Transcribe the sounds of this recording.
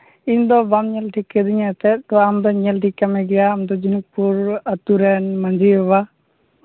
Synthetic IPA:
iɲd̪ɔbamɲɛlʈʰikːɛd̪iɲat̪ɛt̪ɔamd̪ɔɲɛlʈʰikːamɛɡɛjaːmd̪ɔd͡ʒinuk̚puɾat̪uɾɛnmand͡ʒiɦɔba

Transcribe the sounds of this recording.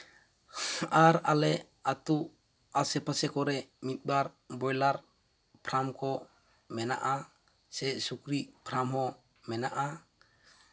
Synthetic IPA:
aɾalɛ | at̪uʔ | asɛpasɛkɔɾɛmit̪̚ˀbaɾ | bɔjlaɾ | pʰɾamkɔ | mɛna̰ʔa | sɛsukɾiʔpʰɾamɦɔ̃ | mɛnaʔa

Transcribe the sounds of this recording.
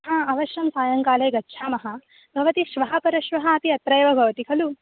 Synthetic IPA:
ɦɐɐʋɐʃjɐmsaːjɐŋkaːlɐːɡɐtːʃʰaːmɐɦɐ | bʱɐʋɐt̪iʃʋɐɦɐpɐɾɐʃʋɐɦɐɐpiɐt̪ɾɐjɐʋɐbʱɐʋɐt̪ikʰɐlu

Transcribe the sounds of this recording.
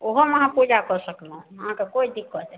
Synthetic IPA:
oɦoməɦãpud͡ʒakəɾsəklaɦũəɦãkekoid̪ikːɔt͡ʃɛ

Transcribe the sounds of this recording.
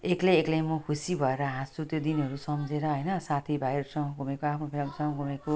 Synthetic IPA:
ekleːklemʌkʰusibʱʌeɾʌɦãsut̪jod̪inʌɾusʌmd͡zeɾʌɦʌjnʌsat̪ʰibʱajɾʌsʌŋʌ̃ɡʱumekoapʰnopʰelmsʌŋʌ̃ɡʱumeko

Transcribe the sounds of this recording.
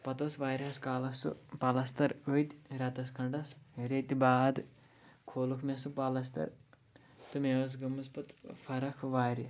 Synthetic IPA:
pɐt̪osʋaːɾiɦɐskaːlɐsṵpɐlɐst̪ɐɾojt̪ʲɾɐt̪ɐskʰɐɳɖɐsɾet̪ʲibaːd̪ | kʰoːlukʰmʲesupalɐst̪ɐ̰ɾ | t̪ɨmeɐs̬ɡɐmɐspɐt̪fʰɐɾɐkʰʋaːɾɐ

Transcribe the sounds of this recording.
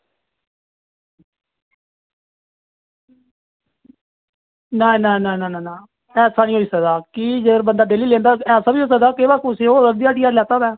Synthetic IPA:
naːnaːnananaːnãː | ɛːsaːnĩɦoːiːsəkd̪aːkiːd͡ʒəɡəɾbənd̪aːd̪eːliːlẽːnd̪aːɛːsaːbiːɦoːs̬ək̚d̪aːkeːbaːkʊsẽːoːləɡd̪iːaːʈiːjaːɾlɛːt̪aːb̪ɛː

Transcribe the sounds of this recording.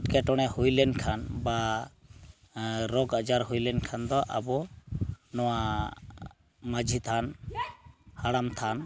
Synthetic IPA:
ʈkɛʈɔɽ̃ɛhujlɛnkʰanba | ɾɔɡəd͡ʒaɾhujlɛnkʰand̪ɔʔa̰bɔ | nɔwa | məd͡ʒʱit̪ʰan | haɽamt̪ʰan

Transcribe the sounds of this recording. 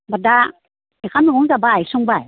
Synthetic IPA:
bada | ikʰamnɔɡɔŋzabajsɔŋbaj

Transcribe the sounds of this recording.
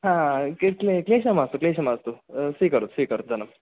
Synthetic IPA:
ɦãklekleːɕɐmaːst̪ukleːʃ̬ɐmaːst̪usiːkɐɾut̪siːkɐɾut̪̚d͡zʱɐnɐm

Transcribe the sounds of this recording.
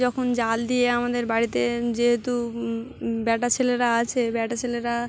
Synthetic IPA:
ɔkʰond͡ʑald̪ieamad̪eɾbaɽit̪ed͡ʑeɦet̪u | bɛʈat͡ɕʰeleɾaat͡ɕʰebɛʈat͡ɕʰeleɾa

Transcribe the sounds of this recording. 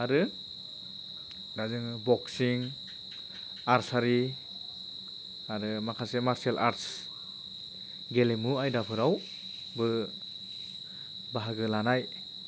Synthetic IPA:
aɾɯ | dazɯŋbɔksiŋ | aɾsaɾi | aɾɯmakʰasemaɾselʔa̰ɾts | ɡelemuajdapʰɯɾaw | bɯ | baɦaɡɯlanaj

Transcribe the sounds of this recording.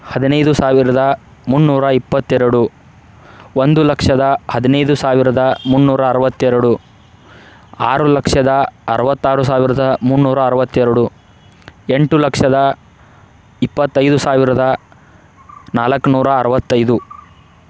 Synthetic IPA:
hɐd̪inɐjd̪usaːʋiɾɐd̪ɐ | munːuːɾɐipːɐt̪ːɛɾɐɽu | ond̪ulɐkʂɐd̪ɐhɐd̪inɐjd̪usaːʋiɾɐd̪ɐmunːuːɾɐːɾɐʋɐt̪ːɛɾɐɽu | aːɾulɐkʂɐd̪ɐɐɾɐʋɐt̪ːaːɾus̬aːʋiɾɐd̪ɐmuɳːuːɾɐːɾɐʋɐt̪ːɛɾɐɽu | e̞ɳʈulɐkʂɐd̪ɐ | ipːɐt̪ːɐjd̪usaːʋiɾɐd̪ɐ | naːlɐkːnuːɾɐːɾɐʋɐt̪ːɐjd̪u

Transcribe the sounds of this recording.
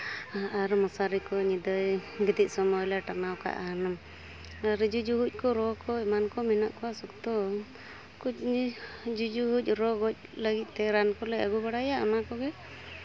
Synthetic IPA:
aɾmɔsaɾikɔɲid̪əjɡit̪ic̚sɔmɔjlaʈanawka̰ʔanam | aɾd͡ʒud͡ʒuɦuc̚ˀkɔɾɔkɔɛmankɔmina̰ʔkɔwasɔkt̪ɔ | kuc̚ | d͡ʒud͡ʒuɦuc̚ˀɾɔɡɔc̚ləɡit̪̚ˀt̪ɛɾankɔlɛaɡubaɽajaʔamakɔɡɛ

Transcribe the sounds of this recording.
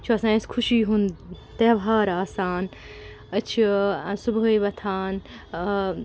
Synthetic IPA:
t͡ʃʰuɐsãːskʰuʃiːɦunt̪eːbɦaːɾaːsaːn | ɐt͡ʃʰisubɦəjʋɐt̪ʰaːn

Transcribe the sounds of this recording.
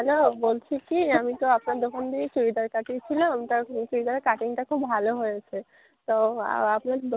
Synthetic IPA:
ɛlobolt͡ɕʰikiamit̪oapnaɾd̪okʰond̪it͡ɕubid̪aɾkaʈit͡ɕʰiloamit̪at͡ʃubid̪aɾekaʈiŋʈakʰubbʱaloɦojet͡ɕʰe | t̪oa̰apnaɾd̪o

